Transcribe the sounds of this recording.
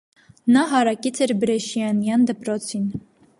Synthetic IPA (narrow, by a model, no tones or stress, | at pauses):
nɑɦɑɾɑkit͡sʰɛɾbɾɛʃijɑnjɑnd̪əpɾɔt͡sʰin